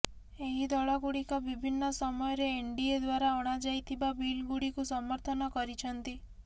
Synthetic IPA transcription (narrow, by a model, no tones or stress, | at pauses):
eɦid̪ɔɭaɡuɽikɔbibʱinːɔsɔmɔjɔɾeːɳɖied̪waɾaɔɽ̃ad͡ʒajt̪ʰibabilɡuɽikusɔmɔɾt̪ʰɔnɔkɔɾit͡ʃʰɔnt̪i